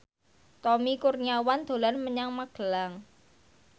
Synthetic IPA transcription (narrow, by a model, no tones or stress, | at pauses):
t̪ɔmikurɲawand̪̥o̤lanməɲaŋmaɡ̥ə̤laŋ